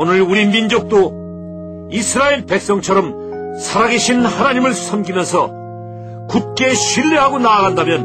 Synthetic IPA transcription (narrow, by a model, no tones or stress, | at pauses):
onɯɭuɾimind͡ʑok̚t͈o | isʰɯɾaeɭpek̚s͈ʌŋt͡ɕʰʌɾʌm | sʰaɾaɡe̞ɕʰinhanaɲimɯɭsʰʌmɡimjʌnsʰʌ | kut̚k͈e̞ɕʰɥiʎːeɦaɡonaːɣandamjʌn